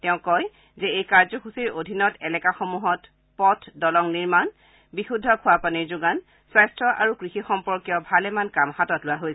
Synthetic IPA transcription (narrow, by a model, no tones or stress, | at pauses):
tɛʊ̃kɔj | zɛejkaɹzɔxusiɹodʱinɔtɛlɛkaxomuɦɔt | pɔtʰdɔlɔŋniɹman | bixudʱɔkʰʊwapaniɹzʊɡan | swajstɹɔʔa̰ɹukɹixixɔmpɔɹkijɔbʱalɛmankamhatɔtlʊwaɦojsɛ